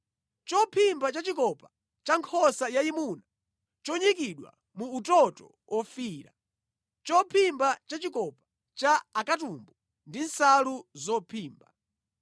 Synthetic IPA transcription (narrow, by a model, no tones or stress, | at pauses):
t͡ʃɔpʰimbat͡ʃat͡ʃikɔpa | t͡ʃaŋkʰɔsajaimuna | t͡ʃɔɲikiɗwa̰ | muːtɔtɔ | wʔɔfiːɾa̰ | t͡ʃɔpʰimbat͡ʃat͡ʃikɔpḁ | t͡ʃaːkatumbu | ndin̩saluzɔpʰiːmba